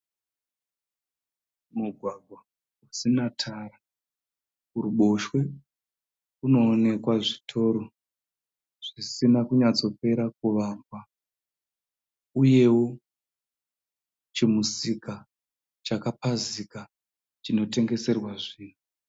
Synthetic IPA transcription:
muɡʱwaɡʱwa | usinatʰara | uɾuɓo̞ʃwe̞ | uno̞ːne̞kwaʐitʰo̞ːɾo̞ | ʐ̥isinakuɲad͡zo̞pe̞ɾakuʋamba | uje̞wo | t͡ʃemusika | t͡ʃakapazika | t͡ʃino̞te̞ŋɡe̞se̞rwaʐiːnu

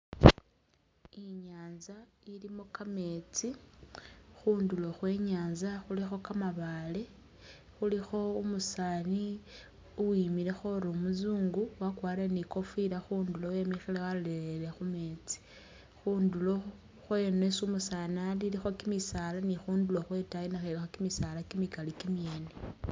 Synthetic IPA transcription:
iɲaːnza | ilimokame̞t͡si | xuːndulo̞xwe̞ɲaːnzaxulixo̞kamaβale̞ | xulixo̞umusaːni | uwimiɾe̞xo̞ɾomuzuːŋɡuwakwaːɾiɾaniko̞fiɾaxuːndulowemixelewaloleɾelexume̞t͡si̥ | xuːndulo̞ | xwenwesumusanalilixo̞kimisaːlanixuːnduloxwe̞tajinaxelexokimisalakimikalikimjeːne

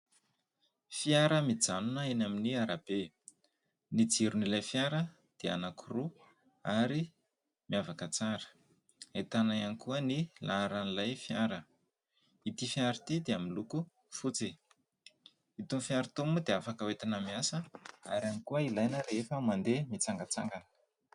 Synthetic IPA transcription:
fiaɾəmid͡zanunəenaminiaɾab̥e | nid͡ziɾunilajfjaɾə | d̪̥ea̰nakʰuru | aɾi | miavakət͡saɾə̥ | et̪anajanikuənilaɾanilajfjaɾə | it̪ifjaɾit̪id̪eaminluku | fut͡si | it̪unfjaɾit̪omud̪eafakəwet̪inəmiasəa̰ɾamikuəilajnəɾefəmand̪emit͡saŋɡat͡sa̰ŋɡanə̥

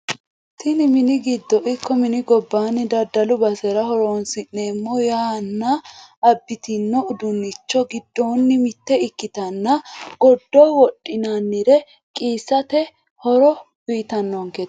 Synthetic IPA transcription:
t̪ɪnɪmɪnɪɡɪd̪ːɔʔɪkːɔmɪnɪɡɔbːaːnːɪd̪ɐd̪ɐlʊbɐsɛɾɐɦɔɾoːnsɪnːe̞ːmːɔjaːnːɐɐbːɪt̪ɪnːɔʊd̪ʊnːɪt͡ʃːɔɡɪd̪ːoːnːɪmɪt̪ːɛɪkːɪt̪ɐnːɐɡ̥ɔd̪ːɔwɔɗʼːɪnanːɪɾɛ | kʼiːsːɐt̪ɛ | hɔɾɔ | wiːt̪ɐnːɔŋket̪

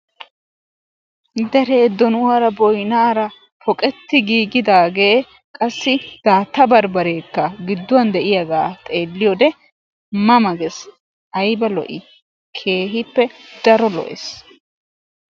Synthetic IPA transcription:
d̪ɛɾe̞ːd̪ːɔnʊwaːɾɐbɔjnaːɾɐ | pʰɔkʼɛt̪ːɪɡiːɡɪd̪aːɡeː | kʼɐsːɪd̪̥aːt̪ːɐbɐɾbɐɾeːkːɐɡɪd̪ːʊwɐnd̪ɛʔɪjɐɡaːt̪ʼeːlːɪjɔd̪ɛ | mɐmɐɡɛs | ɐjbɐlɔ̰ʔɪ | kʰe̞ːɦɪpːɛd̪ɐɾɔlɔ̰ʔḛs

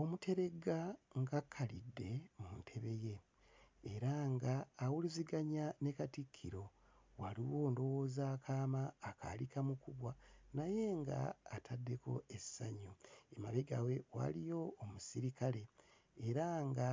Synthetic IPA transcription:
o̞mutʰe̞ɾe̞ɡaŋɡakʰːalidːe̞muntʰe̞βe̞je̞ː | ɾaŋɡaːwuliziɡaɲanekatikʰːiɾo̞ | waliwo̞ːndo̞wo̞ːzaːkʰaːmaːka̰likamukuβwanaje̞ŋɡa̰ːtʰadːe̞ko̞̰esaɲuemaβeɡawe̞wa̰lijo̞ːmusiɾikale̞ː | ɾaŋɡa

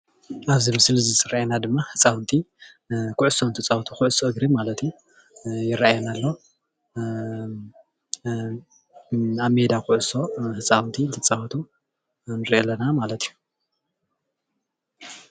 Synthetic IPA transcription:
ʔaβzimɨsɨlɨzisɨɾʔaʔenad̪ɨmːahɨt͡sʼawnt̪ʰi | kʰʊʕʊso̞nt̪ʰɨt͡sʼaht̪ʰukʰʊʕʊsoʔɨɡɾimalɐt̪ju | jɪrːaajɛnalːo̞ | aβme̞d̪akʰʊʕʊso̞hɨt͡sʼawnt̪ʰint̪ʰɨt͡sʼaht̪ʰu | nɨɾielːɐnamalɐt̪iju

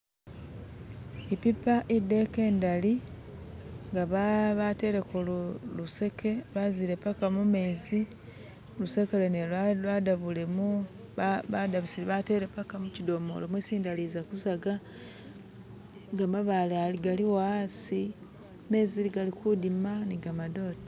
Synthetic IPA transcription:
ipipaʔidːe̞ke̞ːndali | ŋɡaβaβate̞ɾekolluse̞kʰe̞βaziɾe̞pakamume̞ːzi | luse̞keleneadaβule̞mu | βadaβusiβate̞ɾepakamucido̞mo̰lomwesiːndalizakuzaɡa | ɡamaβalealiɡaliwasi | me̞ːziliɡalikudimaniɡamado̞ːte

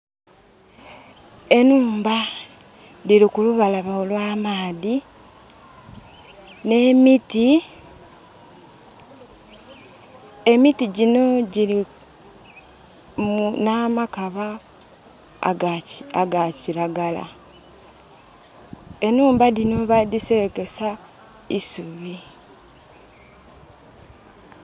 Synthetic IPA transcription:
e̞nuːmba | ðiɾikuluβalaβaolwaːmaːði | ne̞miti | e̞mitiɟino̞ɟiɾi | munamakaβa | aɡaciɾaɡala̰ | e̞nuːmbadino̞βadiseɾeke̞sa | isuβi

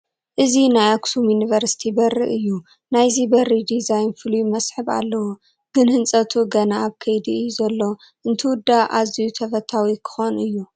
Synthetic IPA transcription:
ʔɨzinajaksumjunivɐɾsi̥t̪ʰibɐrɨʔɨjːu | najzibɐrid̪izajnfɨlujmɐsħɨβa̰lːɐwu | ɡ̥ɨnhɨnt͡sʼɐt̪ʰuɡɐnaːβkʰɐjd̪iɨjːuzɐlːo̞ | ʔɨnt̪ʰɨwʊd̪ːaʔazijut̪ʰɐfɐt̪ʰawikʰɨ̥xonɨjːu

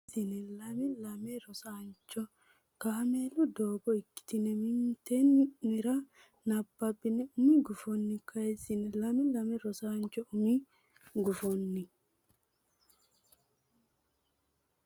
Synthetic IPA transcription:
ɪnɛlɐmɪlɐmɛɾɔsaːnt͡ʃːɔ | kɐhɐmeːlʊd̪oːbɔɪkːɪ̥t̪ɪnɛmɪnt̪ɛnmɪɾɐ | nɐbːɐbːɪnɛʊmɪɡʊfɔnːɪkʰɐɛsɪnɛlɐmɪlɐmɛɾɔsaːnt͡ʃːɔʊmi | ɡʊfɔnːɪ

